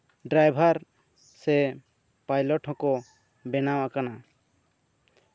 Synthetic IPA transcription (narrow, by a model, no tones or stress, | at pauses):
ɖɾajbʱaɾ | sɛ | pajlɔʈɦɔ̃kɔ | bɛnawakana